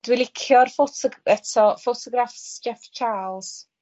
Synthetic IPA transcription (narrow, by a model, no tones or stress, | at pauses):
d̥wɪlˠɪkʰjɔrfotʰɔɛtʰɔfotʰɔɡrafsd͡ʒɛft͡ʃʰaːlˠs